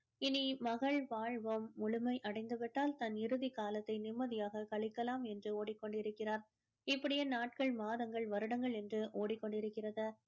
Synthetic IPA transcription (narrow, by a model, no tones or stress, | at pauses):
ɪnimɐɣɐɭʋaːɻʋɐmːʊɭʊmɐɪʔɐɽɐɪŋɡ̪ɐʋɪʈːaːlt̪ɐnɪɾɯðɪkaːlɐt̪ːɐɪnɪmːɐðɪjaːɣɐkɐɭɪkːɐlaːmɛndrɯoːɽɪkːɔɳɖɪɾɯkːɪraːɾ | ɪpːɐɽɪjenaːʈ̚kɐɭmaːðɐŋɡɐɭʋɐɾɯɽɐŋɡɐɭɛndrɯʔoːɽɪkːɔɳɖɪɾɯkːɪrɐðɐ